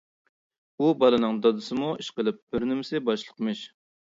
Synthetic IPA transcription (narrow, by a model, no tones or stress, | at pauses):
ubɑlˠɨnɨŋd̪ɑd̪ɨsɨmuiʃqəlˠɨp̚b̥ɪɾnɪmɪsɪbɑʃlˠə̥qmɨʃ